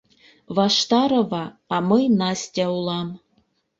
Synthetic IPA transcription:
vɑʃt̪ɑɾɤ̆vɑːmɤjnɑsʲtʲæulˠɑm

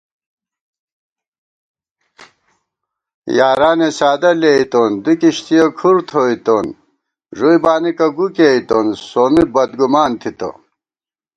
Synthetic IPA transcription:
jaːɾaːnesaːd̪ɐleit̪ond̪ikiɕt̪ijɐkʰuɾt̪ʰoit̪on | ʐujbaːnikɐɡukeit̪onsoːnibɐd̪ɡumaːnt̪ʰit̪ɐ̰

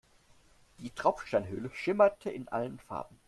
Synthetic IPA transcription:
d̥iːtʁ̥aʊp͡fʃtaɪnɦøːləʃɪmɐtʰəʔɪnʔa̰lənfa̰ɐbm̩

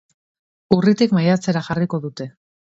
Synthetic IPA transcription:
urit̪ikmajat͡se̞ɾaxariko̞ðut̪e̞

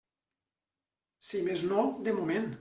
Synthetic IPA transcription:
simeznɔwd̪emumẽn

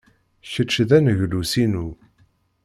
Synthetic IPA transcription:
çəʃðænʝlusinu

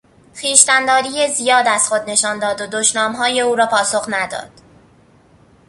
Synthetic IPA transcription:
xiːʃt̪ænd̪ɒːɾiːjezijɒːd̪æz̥xo̞d̪ne̞ʃɒːnd̪ɒːd̪od̪oʃnɒːmɦɒːje̞uːɾɒːpʰɒːso̞χnæd̪ɒ̰ːd̪̥

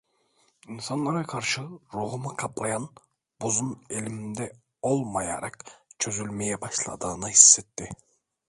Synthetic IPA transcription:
insanlˠaɾakʰaɾʃɯɾuɦumakʰaplˠajan | buzune̞lʲimind̪ɛ | o̞lˠmaja̰ɾakt͡ʃʰø̞zylʲme̞jɛbaʃlˠa̰d̪ɯːnɯhisːɛt̪ʰːɪ

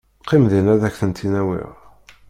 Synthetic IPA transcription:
qʰːimðinæðæçθənt̪ʰinæwḭʁ

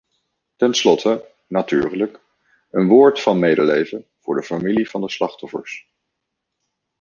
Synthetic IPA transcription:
tɛnslɔtʰə | naty̰ːrlək | ənʋʊːɹtfɑnmejdəlejvənv̥ʊːɹdəfamilivɑndəslɑχtɔfə̰ɹs

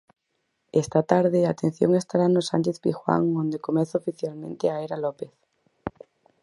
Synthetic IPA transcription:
est̪at̪aɾðeat̪en̟θjo̰ŋest̪aɾanosant͡ʃeθpixwa̰ŋõnd̪ekomeθaofiθjalmẽnt̪eaeɾalopeθ

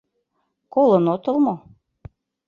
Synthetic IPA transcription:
kolˠɤnot̪ə̆lˠmo

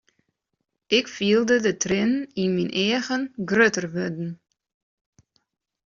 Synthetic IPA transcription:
ɪkfiːəlˠdədətrɪninminʔeːɣənɡrøtərʋødn̩

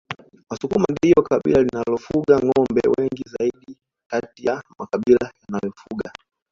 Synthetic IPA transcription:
wasukumandiiɔwakaɓḭlalinalɔfuɡaŋɔmbɛ̰wɛŋɡizaiɗi | katijamakaɓilajanajɔfuɡa

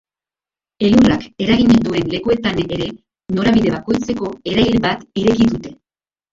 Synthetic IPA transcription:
e̞lurake̞ɾaɣiɲend̪ue̞nle̞kue̞t̪aneɾe̞ | no̞ɾaβiðe̞βako̞jt͡se̞ko̞e̞ɾajɾβat̪iɾe̞kiðut̪e̞

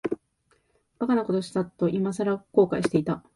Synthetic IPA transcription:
bakanako̞t̪o̞ɕi̥t̪at̪ːo̞ʔimasaɾako̞ːkaiɕi̥t̪e̞it̪a

